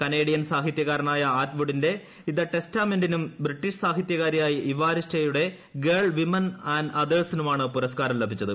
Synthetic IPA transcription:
kɐne̞ːɽijɐnsaːɦit̪jɐɣaːɾɐnaːjɐaːʈʋuɽinde̞ | iðɐʈe̞staːmendinumbɾiʈːiʂsaːɦit̪jɐɣaːɾɐjaːjiʔiʋaːɾisʈɐjuɽe̞ | ɡeːɭʋimɐnaːnɐd̪eːɭsinumaːɳɨpuɾɐskaːɾɐmlebʱit͡ɕːɐðɨ

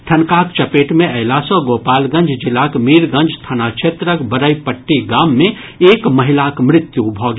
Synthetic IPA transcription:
ʈʰənkaːkt͡ʃəpeːʈmẽʔəɪlaːsõɡoːpaːlɡə̃nd͡ʒʱd͡ʒɪlakmiːɾɡə̃nd͡ʒst̪ʰanat͡ʃʰet̪ɾəkbəɾəjpəʈːiɡaːmːẽ | eːkməɦɪlakmɾɪt̪jubʱɔɡ

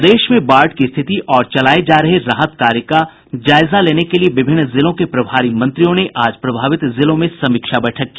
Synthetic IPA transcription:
d̪eːʃmẽbaːɾʈkist̪ʰɪt̪iʔɔːɾt͡ʃɐlaːed͡ʒaːɾɐɦeɾaɦət̪kaːɾjəka | d͡ʒaːɪzaleːnekelieʋɪbʱɪnːzɪlõkepɾɐbʱaːɾimɐ̃nt̪ɾijõneʔaːd͡ʒpɾɐbʱaːʋɪt̪zɪlõmẽsɐmiːkʃabɛʈʰəkːiː

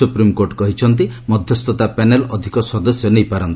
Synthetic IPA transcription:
upɾimkoɾʈkɔɦit͡ʃʰɔnt̪̬imɔd̪ʱjɔst̪ʰɔt̪apenelɔd̪ʱikɔsɔd̪ɔsjɔnejpaɾɔnt̪i

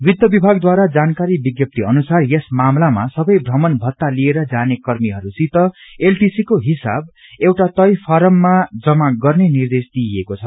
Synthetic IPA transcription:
wid̪jʌbibʱaɡd̪waɾad͡zankaɾibiɡjʌp̚t̪iʌnusarjesmamlama̰sʌbʌjbrʌmʌnbʱʌt̪ːalieɾʌd͡zanekʌrmiɦʌɾusit̪ʌelʈisikoɦisa̰b̚ | ewʈat̪ʌjpʰʌɾʌmːad͡zʌmaɡʌrnenird̪esd̪iekot͡sʰʌ

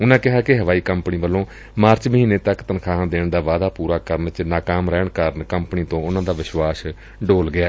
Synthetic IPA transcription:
ʊnãːkɪɦaːkɪɦəʋaːiːkəmpniːʋəlːõː | maːɾt͡ʃməɦiːneːt̪əkt̪ənkʰaːãːd̪eːɳd̪aːʋaːd̪aːpuːɾaːkəɾənt͡ʃnaːkaːmɾɛːɳkəɾənkəmpniːt̪õːʊnãːd̪aːʋɪʃʋaːs | ɖoːlɡɪaː

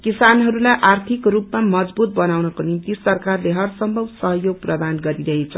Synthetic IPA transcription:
kisanɦʌɾulajʔart̪ʰikrupmamʌd͡zbut̪̚bʌnawnʌkonimt̪isʌrkarleɦʌrsʌmbʱʌbsʌɦʌjoɡ̚prʌd̪anɡʌɾiɾʌɦet͡sʰʌ

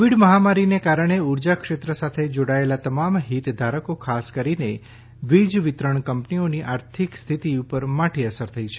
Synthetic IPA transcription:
ʋiɽməɦamaɾinekaɾəɽ̃euɾd͡ʒakʂet̪ɾəsat̪ʰed͡ʒoɽaelat̪əmamɦit̪d̪ʱaɾəkokʰaskəɾine | ʋid͡ʒʋit̪ɾəɳ̃kəmpnioniʔaɾt̪ʰikst̪ʰit̪iupəɾmaʈʰiəsəɾt̪ʰəit͡ʃʰe

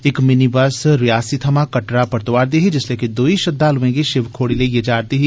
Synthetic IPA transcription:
ɪkmɪnibasɾɪjaːsit̪ʰɐmakɐʈɾapɐɾt̪ʊʋaːɾd̪iɦid͡ʒɪsleːkid̪oːiʃɐd̪ːaːlʊʋẽɡiʃɪʋkʰoːɽilejed͡ʒaːɾd̪iɦi

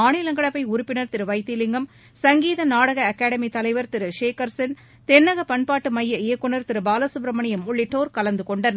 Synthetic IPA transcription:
aːnɪlɐŋɡɐɭɐpːɐɪʊɾʊpːɪnɐɾt̪ɪɾɯʋɐɪt̪ːilɪŋɡɐm | sɐŋɡiːðɐnaːɽɐɣɐɐkːaːɽɐmit̪ɐlɐɪʋɐɾt̪ɪɾɯʂeːkɐɾsɐn | t̪ɛnːɐɣɐpɐɳpaːʈːɯmɐjːɐɪjɐkːʊɳɐɾt̪ɪɾɯbaːlɐsʊbɾɐmɐɳɪjɐmʊɭːɪʈːoːɾkɐlɐnd̪ɯkɔɳɖɐn

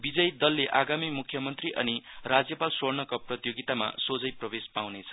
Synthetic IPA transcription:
bid͡zʌjd̪ʌlːeʔaɡamimukʰːjʌmʌnt̪riʔʌ̰nirad͡zjʌpalsornʌkaprʌt̪joɡit̪ama̰sod͡zʌjprʌbespawnet͡sʰʌ̥

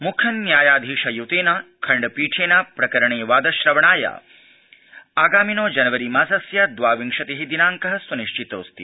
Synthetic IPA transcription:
mukʰɐnːjaːjaːd̪ʱiːʂɐjut̪eːnɐkʰɐɳɖɐpiːʈʰeːnaːpɾɐkɐɾɐɳeːʋaːd̪ɐʃɾɐʋɐɳaːja̰ | aːɡaːminoːd͡ʒɐnɐʋɐɾimaːsɐsjaːd̪ʋaːʋiŋʂɐt̪eɦid̪inaːŋkɐɦɐ̆sʋɐniʃt͡ʃit̪o̰ːst̪i

